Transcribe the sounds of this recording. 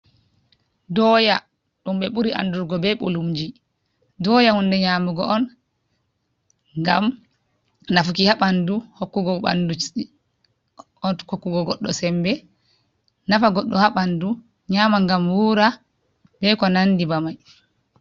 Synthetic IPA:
dɔja | ɗumɓɛɓuɾiʔa̰nduɾɡɔbɛɓo̰lumd͡ʒi | dɔjahundɛɲaːmuɡɔʔɔn | ŋɡa̰m | nafukihaɓanduhokːuɡɔɓa̰ndu | ɔhokːuɡɔɡɔɗːɔsɛmbɛ | nafaɡɔɗːɔhaɓandu | ɲamaŋɡamwuːɾa | bɛkɔnanːdibamaj

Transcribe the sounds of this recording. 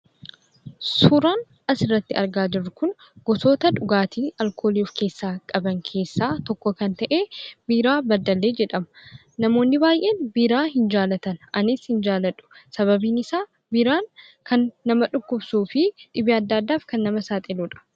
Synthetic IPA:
sʊɾaːn | ɐsɪrːɐt̪ːɪɐ̰ɾɡaːd͡ʒɪrːʊkʊn | ɡ̥ɔso̞ːt̪ɐᶑʊɡaːt̪ʰiːɐlkʰo̞ːliufke̞ːsːaːkʼɐbɐŋkʰe̞ːsːaːt̪ɔkːɔkɐnt̪ɐʔeːbiːɾaːbɐd̪ːɐlːe̞ːd͡ʒɛᶑɐmɐ | nɐmo̞ːnːɪbaːjʔe̞ːnbiːɾaːɦɪnd͡ʒaːlɐt̪ɐnʔɐnɪshɪnd͡ʒaːlɐᶑʊ̥sɐβɐbiːnɪsaː | biːɾaːn | kʰɐnːɐmɐᶑʊkːʊbsuːfɪᶑɪbɪɐd̪ːɐd̪ːaːfkɐnːɐmɐsaːt̪ʼɛluːᶑɐ̥

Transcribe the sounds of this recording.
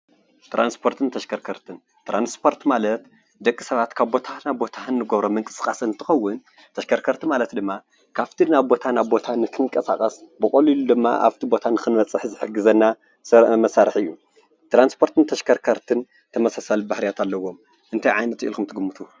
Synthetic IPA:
t̪ʰɾʔanspʰo̞ɾt̪ʰɨnt̪ʰɐʃkʰɐɾkʰɐɾt̪ʰɨn | t̪ɾanspʰo̞ɾt̪malɐt̪ | d̪ɐkʼːisɐβat̪kʰaβbo̞t̪ʰanabo̞t̪ʰaɨnːɨɡoβɾomɨŋkʼɨ̥skʼasɨnt̪ʰɨxɐwːʊn | t̪ʰɐʃkʰɐɾkʰɐɾt̪ʰimalɐt̪d̪ɨmːa | kʰaft̪ʰinaβbo̞t̪ʰanaβbo̞t̪ʰanɨkʰɨŋkʼɐsa̰kʼɐsbɨkʼɐlilud̪ɨmːa̰ʔa̰βt̪ʰibo̞t̪ʰanɨxɨnmɐt͡sʼɨħzɨħɨɡɨzɐnːa | sɐɾmɐsaɾɨħɨjːu | t̪ɾanspʰo̞ɾt̪ʰɨnt̪ʰɐʃkʰɐɾkʰɐɾt̪ʰɨn | t̪ʰɐmɐsasalbahɾijat̪ʰalːɐwːo̞m | ʔɨnt̪ʰajʕajnɐt̪ḭlkʰumt̪ʰɨɡɨmːut̪ʰu

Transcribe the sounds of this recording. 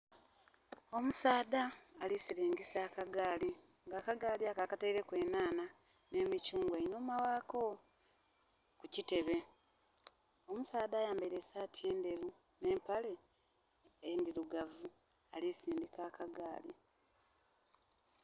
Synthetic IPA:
o̞musaːdaːlisileːɲɡisaːkaɡaːli | ŋɡaːkaɡaːliakakateiɾe̞kwe̞ːnaːna | ne̞ːmicuːŋɡweino̞ːmawaːko̞ | kucite̞βe̞ | o̞musaːdaːjaːmbaiɾesaːtie̞ːnde̞ɾu | ne̞ːmpale̞ | ndiɾuɡavu | alisiːndikaːkaɡa̰ːli

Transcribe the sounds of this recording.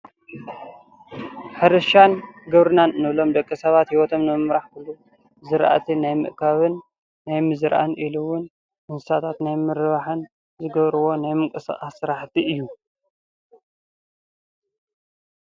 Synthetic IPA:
ħɨɾɨʃanɡɐβɾɨnanɨnɨβlo̞md̪ɐkʼːisɐβat̪hiwɔt̪ʰo̞mnɨmɨmɾaħkʰɨlːu | zɨɾʔa̰t̪ʰinajmɨ̰ʔkʰaβɨnː | ajmɨzɨɾʔa̰nʔiluwʊn | ʔɨnsɨsat̪ʰat̪najmɨɾɨβaħɨn | zɨɡɐβɾɨwo̞najmɨŋkʼɨsa̰χʼasːɨɾaħt̪ʰiʔɨjːu

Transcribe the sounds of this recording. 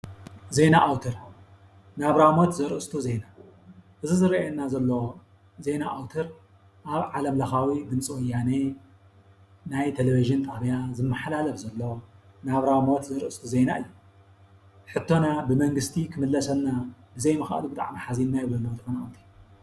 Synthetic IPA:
ze̞naʔawt̪ʰɨɾ | naβɾawmot̪zɨɾʔɨst̪ʰuze̞na | ʔɨzizɨɾienːazɐlːo | ze̞naʔawt̪ʰɨɾ | ʔaβʕalɐmlɐxawid̪ɨmt͡sʼiwɔjːane | najt̪ʰeleβiʒɨnt̪ʼaβjazɨmːɨħlalɐfzɐlːo̞ | naβɾamot̪zɨɾɨɨst̪ʰuze̞naɨjːu | ħɨt̪ʰːo̞nabɨmɐŋɡɨst̪ʰikʰɨmɨlːɐsɐnːabɨzɐjmɨxa̰ʔlubɨt̪ʼa̰ʕmiħazinːajɪβɐlot̪ɨxonaawt̪ʰi

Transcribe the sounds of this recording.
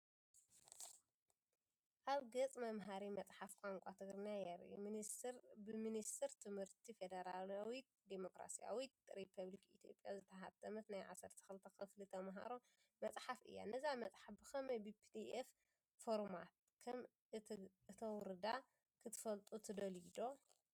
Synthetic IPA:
ʔaβɡɐt͡sʼmɐmɦaɾimɐt͡sʼħafkʷʼaŋkʷʼat̪ʰɨɡɾɨnjajɐɾ̰ṵminisɾbɨminist̪ʰɨɾt̪ʰɨmhɨɾt̪ʰifed̪ɐɾalawi | d̪emokɾa̰sija̰wit̪ɾipʰɐβlikit̪ʰijo̞̰pʼja̰zɨt̪ʰɐɦat̪ʰːɐmɐt̪najʕa̰sɐɾt̪ʰi̥xɨlɨt̪ʰɐxkɨflit̪ʰɐmɦa̰ɾo | mɐt͡sʼħafɨ̰jːa̰nɐzamɐt͡sʼħafbɨkɐmɐjbɨpʰid̪ief | foɾmat̪̚ | kʰɐm | ɨt̪ʰɐwʊɾɨd̪a | kʰɨt̪ʰɨ̥fɐlt̪ʼut̪ʰɨd̪ɐlid̪o̞

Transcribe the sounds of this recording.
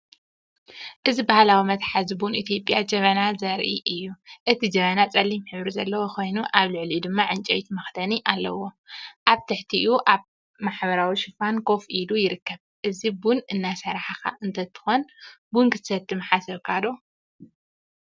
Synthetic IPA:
ʔɨzibahlawimɐt̪ħazibunit̪ʰjo̞pʼːjad͡ʒɐβɐnazɐɾʔḭʔɨjːuʔɨt̪ʰid͡ʒɐβɐnat͡sʼɐlːimħɨβɾizɐlːɐwokʰo̞jnuʔaβlɨʕlid̪ɨmːaʕɨnt͡ʃʼɐ̰jt̪mɐxt̪ʰɐniʔalːɐwo̞ | ʔaβt̪ʰɨħt̪ʰiʔuʔaβ | maħbɐɾawiʃɪfankʰo̞fʔilujɪɾɨkːɐβ | ʔɨzibunɨnːasɐɾaħaka̰ʔɨnt̪ʰɐt̪ʰɨ̥xonbunkɨt̪ʰɨ̥sɐt̪ʰʼːɨmɨħasɐβkʰad̪o

